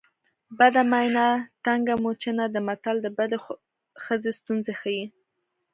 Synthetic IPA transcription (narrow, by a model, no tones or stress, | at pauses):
bad̪amajnat̪aŋɡamot͡ʃenad̪əmat̪ald̪əbad̪e | xəzest̪unzexaji